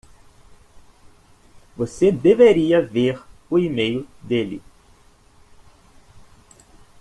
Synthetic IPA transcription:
vosed̪eveɾiɐveɾʊimejʊd̪elɪ̰

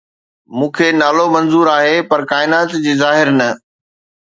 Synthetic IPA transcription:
mũːkʰenaːlomɐ̃nzuːɾaːɦepɐɾkaːɪnaːt̪d͡ʑiːzaːɦɪɾnɐ

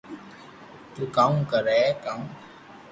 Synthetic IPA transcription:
t̪ukaŋkəɾɛkaŋ

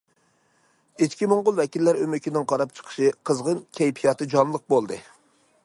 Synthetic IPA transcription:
it͡ʃkʲimoŋʁʊlˠvɛkʲilːæɾømykʲʰinɪŋqʰɑɾɑp̚t͡ʃʰə̥qʰə̥ʃɨqʰəzʁənkʲʰɛjpʰijɑt̪ɨd͡ʒɑmnlˠəq̚bolˠd̪ɨ

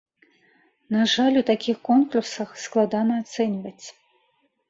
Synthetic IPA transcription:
naʐalʲut̪akʲixkɔnklusɐxsklˠad̪anɐːt̪sɛnʲvɐt͡sʲ

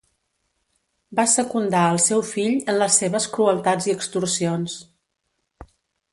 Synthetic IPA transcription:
basəkund̪aəlˠsɛwfiʎənləsːeβəskɾuəlˠt̪ad͡ziəkst̪ursions

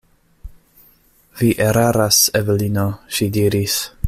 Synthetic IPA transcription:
viʔeɾaɾasevɛlinoʃidiɾis

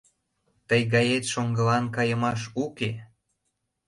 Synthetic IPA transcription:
t̪əjɣɑjet̪ʃoŋɡə̆lɑnkɑjə̆mɑʃ̬uke

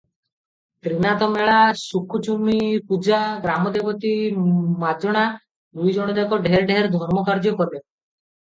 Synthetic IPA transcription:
t̪ɾinat̪ɔmeɭasukʰːut͡ʃumipud͡ʒaɡɾamɔd̪ebɔt̪imad̪ɔɽ̃a | d̪ujd͡ʒɔɽ̃ɔd̪ekɔɖʱeɾɖeɦeɾd̪ʱɔɾmɔkaɾd͡ʒɔkɔɾe

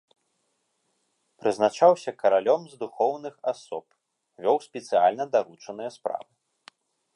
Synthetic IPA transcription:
pɾɨznat͡ʂawsʲɐkɐɾalʲɔmzd̪uxɔwnɨxasɔp | vʲɔwsʲpʲɛt̪sɨjalʲnɐd̪aɾut͡ʂɐnɨjɐspɾa̰vɨ

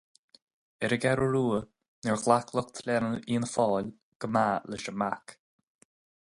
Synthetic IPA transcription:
ɛɾəɡɛɾəɹuːə | nɛɹɣlakʰləkt̪ʰlʲɛnəiːnəfɔːl | ɡ̥əmaːlɪʃəmak

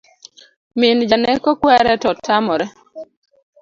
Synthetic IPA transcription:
mɪnd͡ʒanɛkɔkwɛɾɛtɔtʰːamɔɾɛ

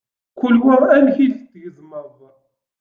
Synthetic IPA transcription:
kʷʊlwiʁænçilθd̪ʝəzməɾˤðˤ

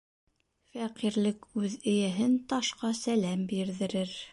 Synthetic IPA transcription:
fæqiɾlɘkʉðɘ̆jæɦɘnt̪ɑʃqɑsælæmbiɾðɘ̆ɾɘɾ

